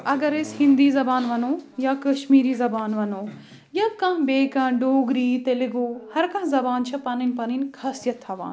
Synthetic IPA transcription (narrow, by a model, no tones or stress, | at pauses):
ɐɡɐɾeshɪ̃nd̪iːzɐbaːnʋɐnoːjaːkɐʃmiːɾiːzɐbaːnʋɐnoː | jɐb̚kɐ̃mbeːkãɖoːɡɾiːt̪elɪɡoːhɐɾkãːzɐbaːnt͡ʃʰɐpɐninpɐninkʰɐsijɐt̪ʰːɐʋa̰ːn